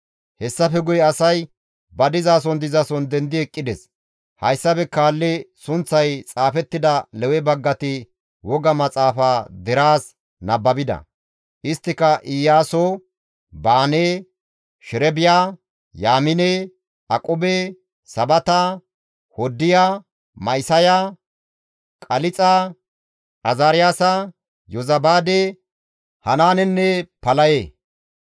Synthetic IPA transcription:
hɛsːɐfɛɡʊjɛɐsɐj | bɐd̪ɪzaːs̬ɔnd̪ɪzasɔnd̪ɛnd̪ɪɛkʼːɪd̪ɛs | hɐjsːɐbɛkaːlːɛsʊnt͡sːɐjt͡sʼaːfɛt̪ːɪd̪ɐlɛwɛbɐɡːɐt̪ɪ | wɔɡɐmɐt͡sʼaːfaːd̪ɛɾaːs | nɐbːɐbɪd̪ɐ̰ | ʔɪst̪ːɪkɐʔɪjaːsoː | baːneː | ʃɪɾɛbɪjaː | jaːmɪne | ɐkʼɔbe | sɐbɐt̪ɐ | hɔd̪ːɪjaː | mɐjsɐja | kʼɐlɪt͡sʼa | ʔɐzaːɾɪjaːsɐ | jɔzɐbaːd̪e | hɐnaːnɛnːɛpɐlɐjeː

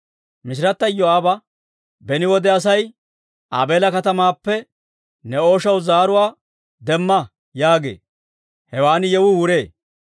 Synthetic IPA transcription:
mɪʃ̬ɪɾɐt̪ːɐjːɔaːbɐ | bɛnɪwɔd̪ɛɐs̬ɐj | ʔa̰ːbe̞ːlɐkɐt̪ɐmaːpːɛ | nɛo̞ːʃɐwzaːɾʊwaː | d̪ɛmːɐ | jaːɡḛː | hɛwaːnɪjɛwʊwʊɾeː

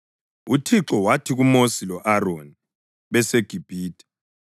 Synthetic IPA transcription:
utʰiǁɔwatʰiɣumosilɔʔaroni | βɛseɡ̥ʱib̥ʱiːdʼi̥

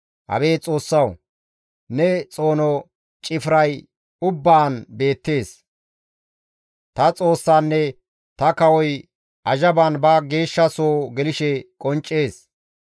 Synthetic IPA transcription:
hɐ̰be̞ːt͡sʼo̞ːsːɐw | nɛt͡sʼo̞ːnɔ | t͡ʃʼɪfɾɐj | ʊbːaːnbe̞ːt̪ːe̞ːs | t̪ɐt͡sʼo̞ːsːaːnːɛ | t̪ɐkɐwɔj | ʔɐʒɐbanbɐɡe̞ːʃːɐsoːɡɛlɪʃɛkʼɔnt͡ʃʼːe̞ːs

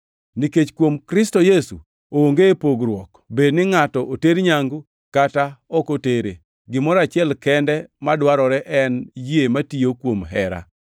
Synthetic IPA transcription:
niket͡ʃkwomkɾɪstɔjesṵ | ooŋɡepoɡɾwɔk | bednɪŋatɔʔoteɾɲaŋɡu | kataɔkoteɾḛ | ɡɪmɔɾat͡ʃɪɛlkɛndɛmadwaɾɔɾɛʔɛnjiematijokwomɦɛ̰ɾa̰

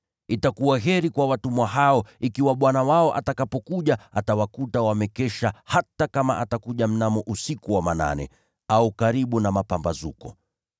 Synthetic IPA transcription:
itakuwaɦɛɾikwawatumwaɦaɔikiwaɓwanawaɔʔa̰takapɔkuʄaatawakutawamɛkɛʃahatakamaʔatakuʄam̩namɔʔusikuwamana̰nɛ̰ | aukaɾiɓunamapambazṵkɔ̰

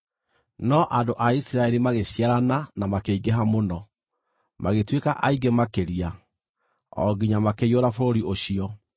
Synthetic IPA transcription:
nɔʔandoʔaisiɾaeɾimaɣeɕiaɾananamakeiɡeɦamonɔ | maɣetwekaʔaiɡemakeɾia | ɔ̰ɡiɲamakejoɾafoɾoɾioɕiɔ

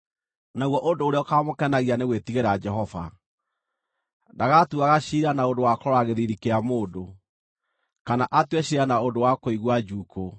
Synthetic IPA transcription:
naɣwɔʔondoːɾeɔkamokɛnaɣianeɣwetiɣeɾad͡ʒɛɦɔva̰ | daɣatuaɣaɕiɾanaodowakɔɔɾaɣeðiɾikeamoːdo | kanaʔatwɛɕiɾanaodowakoiɣwad͡ʒuko

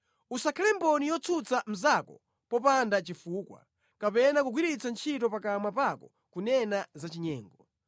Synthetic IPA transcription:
usakʰalɛmbɔnijɔt͡sʰut͡sam̩zakɔ̰ | pɔpandat͡ʃifuːkwa̰ | kapɛnakuɡwiɾit͡sant͡ʃʰitɔpakamapakɔ | kunɛnazat͡ʃiɲɛːŋɡɔ

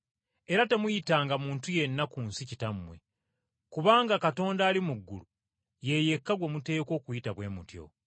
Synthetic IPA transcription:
e̞ɾate̞mujitaːŋɡamuːntuje̞nːakuːnsicitamːwe̞̰ | kuβaːŋɡakato̞ːndaːlimuɡːṵlu | je̞je̞kːaɡwe̞mute̞ːko̞ːkujitaβwe̞ːmutjo̞̰

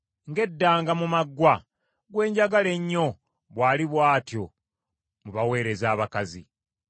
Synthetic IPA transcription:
ŋɡe̞dːaːŋɡamumaɡːwa | ɡwe̞ːɲɟaɡale̞ɲːo̞ | βwaːliβwaːtjo̞ | muβawe̞ːɾe̞zaːβakazḭ

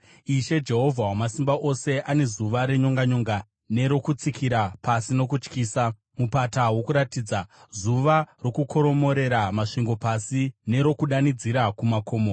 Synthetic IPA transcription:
iʃe̞d͡ʒe̞ɦo̞vʱawamasimbaʔo̞se̞ʔane̞zuʋaɾe̞ɲo̞ŋɡaɲo̞ːŋɡa | ne̞ɾo̞kut͡sikʰiɾapasino̞kut͡ʃkiːsa | mupatawo̞kuɾatiːd͡zazuʋaro̞kukʰo̞ɾo̞mo̞ɾe̞ɾamaʂiŋɡo̞pasine̞ɾo̞kuɗanid͡ziɾakumakʰo̞ːmo

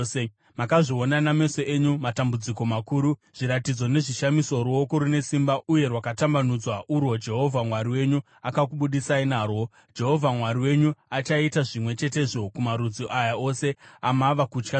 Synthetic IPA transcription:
makaʐio̞naname̞so̞eɲumatambud͡ziko̞makuːɾu | ʐ̥iɾatid͡zo̞ne̞ʐiʃamiso̞ɾuo̞ko̞ɾune̞simbaʔuje̞rwakatambanud͡zwaʔuɾwo̞d͡ʒe̞ɦo̞vʱamwaɾiwe̞ɲu | akakuɓuɗisainaːrwo̞ | d͡ʒe̞ɦo̞vʱamwaɾiwe̞ɲuat͡ʃaitaʐimwe̞t͡ʃe̞t̬e̞ʐo̞kumaɾud͡ziʔajao̞se̞amaʋakut͡ʃka

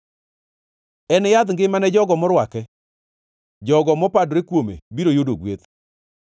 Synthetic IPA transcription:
ɛnjad̪ŋɡɪmanɛd͡ʒɔɡɔmɔɾwakɛ | d͡ʒɔɡɔmɔpadɾekwomḛbiɾojodoɡwet̪

